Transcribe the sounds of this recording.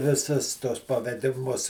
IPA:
ʋʲɪˈsʊs tuɔs pɐʋʲɛdʲɪˈmʊs

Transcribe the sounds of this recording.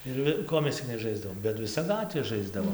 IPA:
ɪr ˈʋʲɪ ˈkoː mʲɛs t͡sʲɪk nʲɛˈʒɐɪzdɐʋoːm bʲɛt ʋʲɪˈsɐ ˈɡɑːtʲʋʲeː ˈʒɐɪzdɐʋoːm

